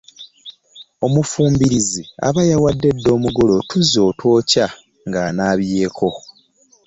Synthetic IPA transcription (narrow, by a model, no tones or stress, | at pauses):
o̞mufuːmbiɾizia̰βajawadːe̞dːo̞ːmuɡolo̞tuzo̞ːtwo̞ːca | ŋɡaːnaːβje̞ːkʰo̞